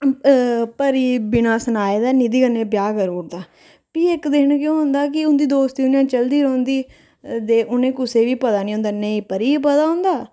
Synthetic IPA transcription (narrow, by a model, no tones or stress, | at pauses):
pəɾiːbɪnaːsənaːeːd̪aːnid̪iːkənːeːbjaːɡəɾoːɾd̪aː | piːɪkd̪eːɳkjõːɦʊnd̪aːk̬ɪʊnd̪iːd̪oːst̪iːʊnjãːt͡ʃəld̪iːɾõːnd̪iː | d̪eːʔʊnẽːkʊseːʋiːpət̪aːnĩːɦõnd̪aːnəĩːpəɾiːpət̪aːɦõnd̪aː